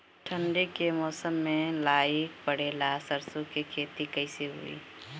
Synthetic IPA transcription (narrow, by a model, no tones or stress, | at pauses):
ʈʰəɳɖekemɔːsəmːẽlaːjik̚pəɽeːlasəɾsõkekʰeːt̪ikəɪseɦʊ̰ḭː